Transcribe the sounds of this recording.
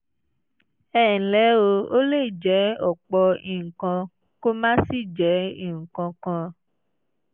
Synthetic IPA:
ɛː˦˨lɛ˨˦o˧o˦le˦˨d͡ʒɛ˨˦ɔ˨k͡pɔ˧i˨ŋ̩˨kã˧ | ko˦mã˦si˦˨d͡ʒɛ˨˦i˦˨ŋ̩˨kã˧kã˧

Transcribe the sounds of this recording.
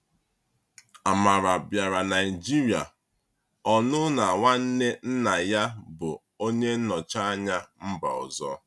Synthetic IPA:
a˨ma˨ɾa˨bja˨ɾa˨na˨i˨d͡ʒi˦ɾi˨a̰˨ | ɔ˨nʊ˦na˨ŋʷa˦n̩˦ne˦n̩˦na˨ja˦bʊ˨ | o˦ɲe˦n̩˦nɔ˨t͡ʃa˦a˦ɲa˦m̩˦ba̰˨ɔ̰˨zɔ̰˦

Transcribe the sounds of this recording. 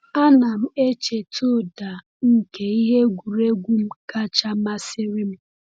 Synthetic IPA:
a˦na˨m̩˦e˦t͡ʃe˨tʰo˦˨da˨ | ŋ̩˦ke˨i˦ɦe˦ɡʷu˨ɾe˦ɡʷu˦m̩˦ka˦t͡ʃa˦ma˦sɪ˦ɾɪ˦m̩˦

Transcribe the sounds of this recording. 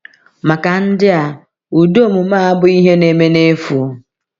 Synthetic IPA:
ma˨ka˨n̩˦dɪ˦a˨ | u˨do˦˨mu˨maː˦a˦bʊ˦i˦ɦe˦ne˨me˦ne˦fu˨˦

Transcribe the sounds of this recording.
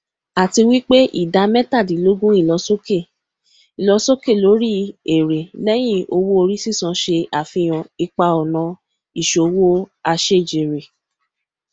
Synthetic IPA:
a˨ti˧wi˦k͡pe˦ʔḭ˦˨da˧mɛ˦ta˦˨dĩ˨˦lo˦ɡũ˦i˦˨lɔ˨˧so˦ke˦˨ | i˨lɔ˧so˦ke˦˨lo˨˦ɾi˦e˨ɾe˨lɛ˦j̃ĩ˦˨o˧wo˦o˧ɾi˦si˦˨sã˨˧ʃe˧a˨fĩ˧j̃ɔ̃˨i˧k͡pa˧ɔ˨nɔ̃˧ | i˨ʃo˨wo˦a˧ʃe˦˨d͡ʒe˨ɾe˨

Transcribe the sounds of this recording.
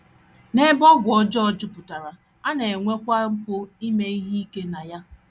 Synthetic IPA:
ne˦bɔ˦ɡʷɔ˦d͡ʒɔ˦˨d͡ʒʊ˦pʊ˨ta˨ɾa˨ | a˦ne˨e˨ŋʷe˦kʷa˦ŋ͡m̩˦kʷʊ˦i˦me˦i˦ɦi˦i˦ke˦na˨ja˦

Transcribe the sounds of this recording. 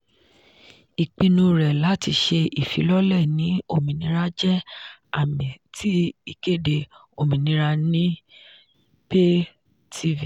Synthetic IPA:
i˨k͡pĩ˧nũ˧ɾɛ˨la˨˦ti˧ʃe˧ʔi˨fi˨˦lɔ˦lɛ˦˨nĩ˨˦o˦˨mĩ˨nĩ˧ɾa˧˦d͡ʒɛ˦a˦˨mĩ˨tʰi˦i˦˨ke˦˨de˧ | o˧˨mĩ˨nĩ˨˧˦ɾa˧nĩ˦ | pe˦ | tʰi˦vi˨

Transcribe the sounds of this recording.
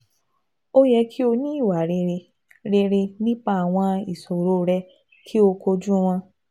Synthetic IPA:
o˦jɛ˧kʰi˦o˧nĩ˦i˦˨wa˨˦ɾe˧ɾe˧ | ɾe˧ɾe˧nĩ˦k͡pa˦a˨w̃ɔ̃˧i˨so˨ɾo˨˦˨ɾɛ˧ | kʰi˦o˧ko˧d͡ʒũ˦w̃ɔ̃˧

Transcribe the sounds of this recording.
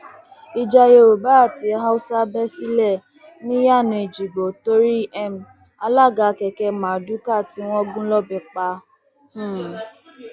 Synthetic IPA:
i˦d͡ʒa˧je˦o˨ba˦a˨ti˨˦ɦa˦u˦sa˦bɛ˦si˦lɛ˦˨ | nĩ˦ja˦˨nʊ̃˨e˨d͡ʒi˨ɡ͡bo˨to˦ɾi˦ɛ˦m̩˨ | a˦la˦˨ɡa˨kɛ˨kɛ˧mã˨du˦ka˦˨ti˦wʷɔ˦ɡũ˦lɔ˦bɛ˨k͡pa˧˦ | h̩˦˨

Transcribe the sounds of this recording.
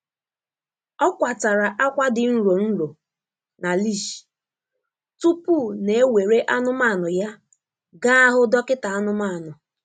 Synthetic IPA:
ɔ˦kʷa˨ta˨ɾa˨ʔa˦kʷa˦dɪ˨n̩˦ɾo˨n̩˦ɾo˨ | na˨li˦˨ʃi̥˨ | tu˦pu˦˨ne˨e˦we˨ɾe˦ʔa˦nʊ˦ma˦˨nʊ˨ja˦ | ɡa˦a˦ɦʊ˦dɔ˦kɪ˦ta˨a˦nʊ˦ma˦˨nʊ˨

